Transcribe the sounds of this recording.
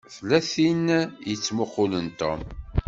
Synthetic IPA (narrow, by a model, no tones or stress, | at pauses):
θlːæθinjət͡sːmʊqːʊlənt̪o̰m